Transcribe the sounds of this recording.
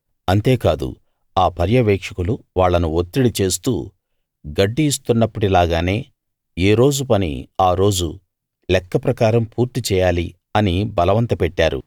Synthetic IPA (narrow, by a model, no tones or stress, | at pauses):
ɐnt̪e̞ːkaːd̪ṵ | aːpɐɾjɐʋɛːkʂɐkuluʋaːɭːɐnuot̪ːiɽit͡ʃe̞ːst̪ṵː | ɡɐɖːiːs̬t̪unːɐpːuʈilaːɡaːne̞ː | eːɾo̞ːd͡ʒupɐnḭaːɾo̞ːd͡ʒṵ | lɛkːɐpɾɐkaːɾɐmpuːɾt̪it͡ʃɛːjaːli | ɐnibɐlɐʋɐnt̪ɐpɛʈːaːɾṵ